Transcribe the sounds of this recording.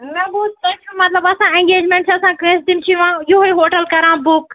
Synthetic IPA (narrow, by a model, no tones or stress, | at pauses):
mɛ̃ːboːt̪̚tɛ̃ːt͡ʃʰumɐt̪ləbɐsãːẽŋɡeːd͡ʒmẽːɳʈsɐsãːkə̃sd̪ɪmt͡ʃʰiʋãːjoɦoiɦoːʈəlkɐɾãːbʊk